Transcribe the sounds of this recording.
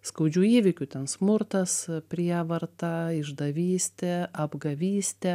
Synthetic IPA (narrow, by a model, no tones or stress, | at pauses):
skɐʊd͡ʒʲuːiːʋʲɪkʲʊt̪ʲɛnsmʊɾt̪ɐspʲɾʲiɛʋɐɾt̪ɐɪʒd̪ɐʋʲiːsʲt̪ʲɛɐbɡɐʋʲiːsʲt̪ʲɛ